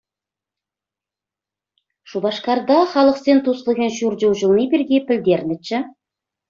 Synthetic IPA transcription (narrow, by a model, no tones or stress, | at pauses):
ʃubɑʃqɑɾd̪ɑχɑlˠəqsent̪ʰusəlˠʁʲenʃuɾd͡ʒewʒəlˠnijbeɾɡʲepʰɪld̪eɾnɪt͡ʃɪ